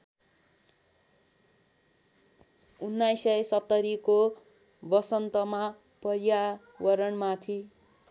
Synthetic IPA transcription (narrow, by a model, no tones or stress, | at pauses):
unːajsʌjsʌt̪ːʌɾiko | bʌsʌnt̪ʌma | pʌrja | wʌɾʌɳmat̪ʰi